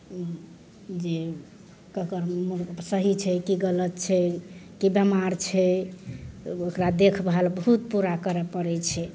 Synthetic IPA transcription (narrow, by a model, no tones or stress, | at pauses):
d͡ʒe | kəkəɾmsəɦit͡ʃʰɛkiɡələt̪t͡ʃʰɛkibəmaɾt͡ʃʰɛ | okɾad̪ekʰbʱalbəɦut̪̚puɾakəɾɛpəɾɛt͡ʃʰɛ